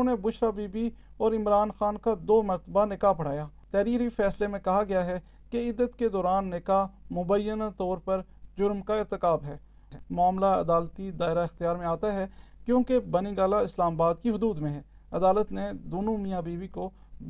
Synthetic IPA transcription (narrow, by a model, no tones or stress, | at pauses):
nebʊʃɾabiːbi | ɔːɾɪmɾaːnxaːnkad̪oːmɐɾt̪əbanɪkaːpɐɽ̤aːjaːt̪ɛːɾiːɾifʰɛːslemẽkɐɦaɡɐjaɦɛ | keɪd̪ːət̪ked̪ɔːɾaːnːekamʊbəjːənat̪ɔːɾpɐɾd͡ʒʊɾmkaɪɾt̪ɪkaːbɦɛː | mʊaːmlaɐ̰d̪aːlt̪id̪aːɪɾaɪxt̪ɪjaːɾmẽaːt̪aɦɛkjõːkebɐniɡaːlaɪslaːmabaːd̪̚kiɦʊd̪uːd̪mẽɦɛː | ɐd̪aːlət̪ned̪oːnũmijãbiːbiko